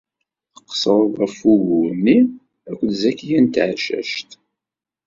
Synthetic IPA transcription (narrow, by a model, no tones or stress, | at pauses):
θə̥qsˤəɾˤðˤæfuʝunːi | ækʷːðzækːijænt̪ʕʃæ̰ʃt̪